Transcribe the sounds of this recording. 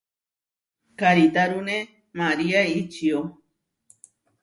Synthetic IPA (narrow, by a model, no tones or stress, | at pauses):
kaɾit̪aɾunẽ | mãɾiait͡ʃio